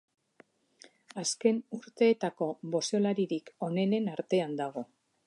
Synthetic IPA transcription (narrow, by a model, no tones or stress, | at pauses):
aske̞nuɾt̪e̞ːt̪ako̞βo̞seolaɾiɾiko̞ne̞ne̞naɾt̪e̞and̪aɣ̞o̞